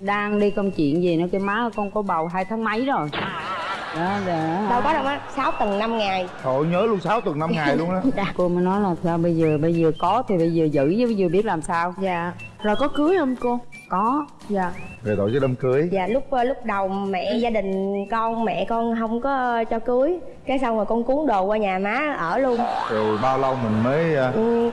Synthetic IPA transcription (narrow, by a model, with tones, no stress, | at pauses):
ɗaː˧ŋɗi˧kə˧wŋ͡mt͡ɕḭ˧˨ənzi˨˩nɔ˨˦ka˨˦maː˨˦˨kɔ˧nkɔ˨˧˦ɓa˨˩wɦaː˧jt̪ʰə˨˦wŋ͡mma˨˦jzo˨˩j | ɗɔ˨˦za˧˩ɗə˧wkɔ˨˦ɗə˨˦˧wŋ͡mʔaː˨˧˦saː˨˦wt̪ə˨˩ŋna˧mŋa˨˩jt̪o˧˨˩ɲəː˨˦lu˧əŋsaː˨˦wt̪ə˨˩ŋna˧mŋaː˨˩jlu˧əŋə˨˦˧ko˧məː˨˦nɔ˨˦jlaː˨˩˨saː˧wɓə˧jzəː˨˩ɓə˧jzəː˨˩kɔ˨˦t̪ʰi˨˩ɓə˧jzəː˨˩zɨ̰˧˥ə˨˦və˨˦jzɨ˨˩ɓi˦˥ət̚laː˨˩msaː˧wza̰ː˧˨zo˨˩jkɔ˨˦kɨ˨˦əjʔə˧mko˧ | kɔ˨˦ | zaː˧˨zəː˨˩t̪o̰˧˨jkəː˨˦ɗə˧mkɨ˨˦əjza̰ː˧˨lʊ˦˥k͡p̚ːlʊ˦˥k͡p̚ɗə˨˩wmɛ̰˧˨zaː˧ɗï˨˩ŋ̟kɔ˧nmɛ̰˧˨kɔ˧nɦə˧wŋ͡mkɔ˨˦t͡ɕɔ˧kɨ˨˦əj | kaː˨˦jsa˧wmaː˨˩kɔ˧nku˨˦əŋɗo˨˩kwaː˧ɲaː˨˩maː˨˦ʔəː˧˩lu˧ənt̪ʰi˨˩ɓaː˧wlə˧wmï˨˩ŋ̟məː˨˦jʔɨ˨˩